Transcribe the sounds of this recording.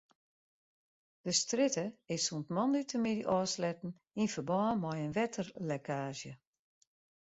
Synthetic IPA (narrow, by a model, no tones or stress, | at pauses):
d̥əstrɪtəɪsuntmɔndytʰəmidiʔɔːslɛtn̩ | infərbɔːmɔjənʋɛtʰərlɛkʰaːʒjə